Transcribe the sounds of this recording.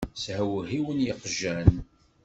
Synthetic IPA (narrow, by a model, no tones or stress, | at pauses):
shæwəɦiwənjəqʒæn